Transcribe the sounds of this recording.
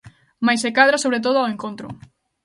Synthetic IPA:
majsekaðɾasoβɾet̪̬oð̞ʊaweŋkont̪ɾʊ̰

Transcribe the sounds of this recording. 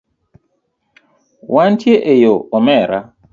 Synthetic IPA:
wʔantjeʔejoɔmɛɾa

